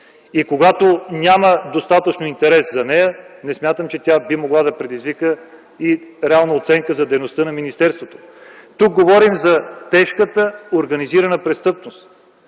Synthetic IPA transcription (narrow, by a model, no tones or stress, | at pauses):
ikoɡat̪onʲaməd̪ost̪at̪ət͡ʃnoint̪ɛɾɛszɐnɛjənɛsmʲjat̪əmt͡ʃɛt̪ʲabimoɡlˠad̪ɐpɾɛd̪izvikə | iɾɛalˠnəot̪sɛŋkəzɐd̪ɛjnost̪ənɐminist̪ɛɾst̪vot̪o̥ | t̪uk̚ɡovɔɾimzɐt̪ɛʃkət̪əoɾɡɐniziɾənəpɾɛst̪ɤpnost̪